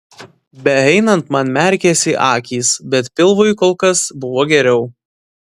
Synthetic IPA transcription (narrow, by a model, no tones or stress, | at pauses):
bʲɛɛɪnɐnt̪mɐnmʲɛɾʲkʲɛsʲɪʔɑːkʲiːsbʲɛt̪pʲɪlˠʋʊɪkoːlˠkɐsbʊʋoːɡʲɛɾʲɛʊ